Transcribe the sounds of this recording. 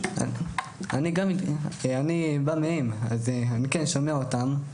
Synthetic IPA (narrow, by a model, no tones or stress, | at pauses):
a | aniɡamanibamehemazeanikenʃo̞meaotam